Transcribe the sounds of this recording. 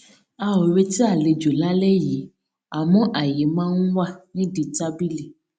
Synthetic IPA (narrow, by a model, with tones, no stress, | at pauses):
a˧wo˨ɾe˧ti˦a˦˨le˨d͡ʒo˨la˦lɛ˦ji˨˦ | a˨mɔ̃˦ʔa˨ji˨˦mãː˦n̩˦wa˦˨nĩ˦di˨ta˦bi˦li˨